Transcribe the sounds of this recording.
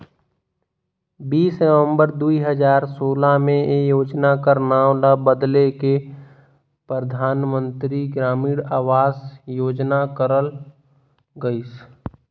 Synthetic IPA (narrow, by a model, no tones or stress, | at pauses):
biːsnəʋə̃mbəɾd̪uiɦəd͡ʒaːɾsoːlamẽjoːd͡ʒnakəɾnaːʊlabəd̪leke | pɾəd̪ʱaːnmə̃nt̪ɾiɡɾaːmiːɽaːʋaːsjoːd͡ʒnakəɾəl | ɡəis